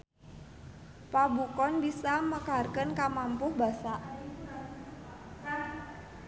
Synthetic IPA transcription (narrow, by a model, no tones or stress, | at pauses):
pabukɔnbisaməkarkənkamampʊhba̤saʔ